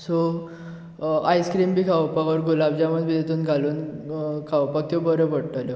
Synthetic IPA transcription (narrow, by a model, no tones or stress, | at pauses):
so | ajskɾiːmbʱiːkʰawpakɔɾɡulabd͡ʑaməd̪bʱiːt̪et̪ʰuːnɡʱaluːnkʰawpak̚t̪ebəɾəpəɽʈalje